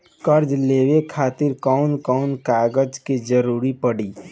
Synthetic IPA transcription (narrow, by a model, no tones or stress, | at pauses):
kəɾd͡ʒleːwekʰaːt̪ɪɾkɔʊnkɔʊnkaɡəd͡ʒked͡ʒəɾuːɾipəɽi